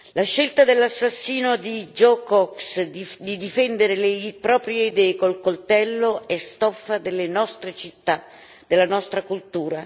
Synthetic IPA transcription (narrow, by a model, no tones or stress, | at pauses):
laʃːelt̪ad̪elːasːasːiːnod̪id͡ʒɔkɔksd̪id̪ifɛnd̪eɾelepɾɔːpɾjeid̪ɛːkolkolt̪ɛlːoɛst̪ɔfːad̪elːenɔst̪ɾet͡ʃit̪ːa | d̪̥elːanɔst̪ɾakult̪uːɾa